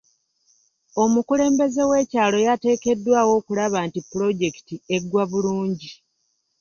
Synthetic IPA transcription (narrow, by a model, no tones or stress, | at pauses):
o̞mukule̞ːmbe̞ze̞we̞ːcaːlo̞jate̞ːke̞dːwaːwo̞ːkulaβaːntipːulo̞ɟe̞ki̥tie̞ɡwaβuluːɲɟi